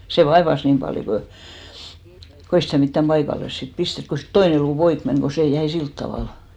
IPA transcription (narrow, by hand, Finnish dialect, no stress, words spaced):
seˑ ʋɑeʋɑs niːm pɑljo ko ko ei sitæˑ mitːæm pɑikɑlːes sit pistet ko siːt toine luː poik meŋ ko seˑ jæi silt tɑʋɑˑl